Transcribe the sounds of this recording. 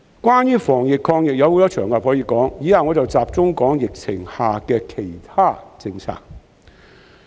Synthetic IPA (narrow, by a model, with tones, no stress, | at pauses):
kʷwaː˥njyː˥fɔː˨˩ŋjɪ˨kʰɔː˧ŋjɪ˨k̚jɐ˨˧who˨˥t̪ɔː˥t͡ʃʰœː˨˩ŋkaː˨p̚hɔː˨˥jiː˧kɔː˨˥ŋjiː˨˥haː˨ŋɔː˨˧t͡sɐ˨wt͡saː˨p̚t͡sʊ˥ŋkɔː˨˥ŋjɪ˨k̚t͡sʰɪ˨˩ŋhaː˨kɛː˧kʰe˨˩jt̪ʰaː˥t͡sɪ˧ŋt͡sʰa̰ː˨˩k̚